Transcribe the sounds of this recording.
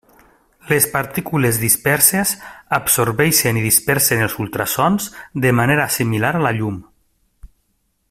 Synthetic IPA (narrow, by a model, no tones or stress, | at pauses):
lespaɾt̪ikulezðispɛɾsezapsoɾβɛʃeniðispɛɾsenelˠzulˠt̪ɾasɔnzd̪əmaneɾasimilaɾalaʎum